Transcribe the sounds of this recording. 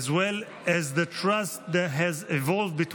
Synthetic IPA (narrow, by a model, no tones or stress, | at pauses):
zwɛl | ɛzðətʰɹast̚ðɛtɦɛzivɔlˠvdbit